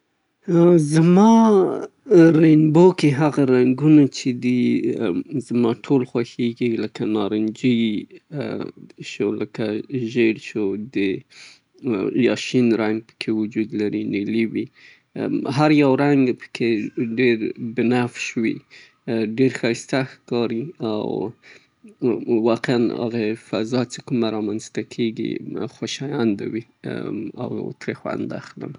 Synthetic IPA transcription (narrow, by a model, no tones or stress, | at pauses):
zamɑ | ɾanbokeɦaɣaɾaŋɡunat͡ʃed̪i | zmɑʈʰolxwaxeɡiləkanɑɾɪnd͡ʒi | ʃoləkaʒelʃod̪ə | jɑ̰ʃinɾaŋɡ̚pə̥kʰewʊd͡ʒud̪laɾineliwi | ɦaɾjawɾaŋɡpə̥kʰeɖeɾbɪnafʃwi | ɖeɾxast̪axkɑɾia̰w | wɑqeana̰ɣafa̰zɑt͡sekumaɾɑmanst̪akʰeɡḭxaʃɑjand̪a̰wi | a̰w̰t̪ɾexwa̰nd̪a̰xlə̰m